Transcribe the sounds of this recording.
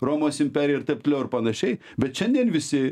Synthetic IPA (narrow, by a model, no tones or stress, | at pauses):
roːmoːsɪmʲpʲæːɾʲjɛɪɾt̪ɐɪp̚t̪ʲlʲɛʊɪɾpɐnɐʃʲɛɪ | bʲɛt̪ʃʲɛnd̪ʲiɛnʋʲɪsʲɪ